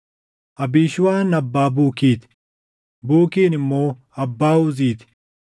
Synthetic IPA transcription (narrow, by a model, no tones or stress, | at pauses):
ɐbiːʃwaːnɐbːaːbuːkiːt̪ | buːkiːnmoː | ɐbːaːʊziːt̪